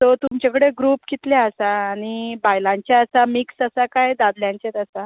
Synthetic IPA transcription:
t̪ɔt̪umt͡ɕakəɽeɡɾuːpkit̪ljaəsaːɽ̃ibajlãɲt͡ɕaəsamiksəsakajd̪ad̪ljãɲt͡ɕet̪əsa

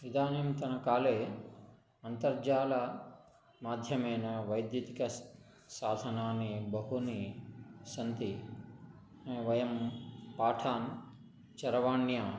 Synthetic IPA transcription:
ʋid̪aːnimt̪ɐnɐkaːleː | ɐnt̪ɐɾd͡ʒaːlɐ | maːd̪ʱjɐmɐjnɐʋɐjd̪jɐt̪ikɐ | saːd̪ʱɐnaːnibɐɦuni | sɐnt̪i | ʋɐjɐmpaːʈʰaːn | t͡ʃɐɾɐʋaːɳjaː

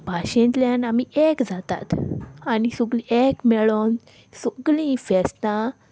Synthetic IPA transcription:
bʱaɕẽnt̪ljãnamiekd͡zat̪a̰t̪anisuɡliekmɛɭon | suɡlĩfɛst̪ã

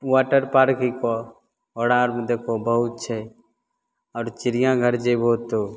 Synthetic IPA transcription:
waːʈəɾpaːɾkiko | oːɽãːɾmd̪eːkʰobəɦʊt̪̚t͡ʃʰɛ | ɔːɾt͡ʃɪɾɪjãɡʱəɾd͡ʒebʱoːt̪ːoː

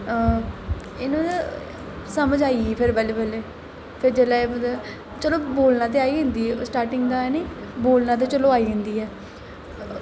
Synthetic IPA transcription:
ɪnõː | səməd͡ʒaːiːiːpʰɪɾbəleːbəleː | pʰɪɾd͡ʒeːlaːebəd̪ | t͡ʃəloːboːlnãːt̪̬eːaːiːɦʊ̃nd̪iːɦɛːsʈaːɾʈɪŋɡd̪aːɛːneːboːlnãːt̪̬eːt͡ʃəloːaːiːɦʊ̃nd̪iːɛː

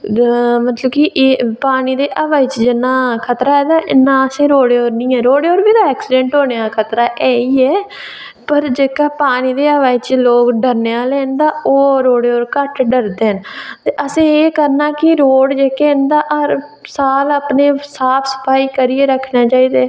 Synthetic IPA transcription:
mət̪ləbkɪʔpaːniːd̪eːʔəʋaːiːt͡ʃd͡ʒɪnːãːkʰət̪ɾaːɛːd̪aːʔɪnːãːəsẽːɾoːɽeːoːɾnĩːɛːɾoːɽeoːɾbiːd̪aːɛːksɪɖɛ̃ːɳʈɦoːneaːkʰət̪ɾaːʔɛːiːɛː | pəɾd͡ʒeːkaːpaːñiːd̪eːəʋaːit͡ʃloːkɖəɾneːãːlɛ̃ːnd̪aːoːɾoːɽeoːɾkəʈɖəɾd̪eːɦənt̪eːʔəsẽːeːkəɾnaːkɪɾoːɽd͡ʒeːkeə̃nd̪aːʔɾ | saːləːpneːsaːpʰsə̥pʰaːiːkəɾiːeːɾəkʰnãːt͡ʃaːiːd̪aː

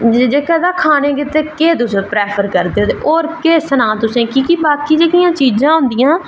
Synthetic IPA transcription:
d͡ʒeːkɛd̪aːkʰaːnẽːkɪt̪eːkeːt̪ʊsẽːpɾeːpʰəɾkəɾd̪eːoːt̪eʔoːɾkeːsənãːt̪ʊsẽːkikibaːkiːd͡ʒeːkɪjãːt͡ʃiːzãːɦʊ̃nd̪ɪjãː

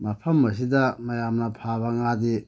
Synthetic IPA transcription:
mɐpʰɐmːɐs̬idamɐjamnapʰaβaŋade

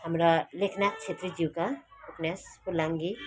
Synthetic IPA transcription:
ɦamɾʌlekʰnak̚t͡ʃʰet̪rid͡ʒiwkauknjaspulaŋɡi

